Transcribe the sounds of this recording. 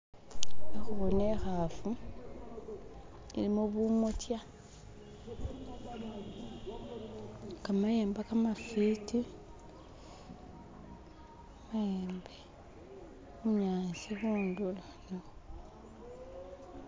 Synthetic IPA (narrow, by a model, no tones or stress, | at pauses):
exuɣunexafu | ḭlimuβumotja | kamajeːmbakamafiti | amajeːmbe | muɲaːnsiβuːndulaɲo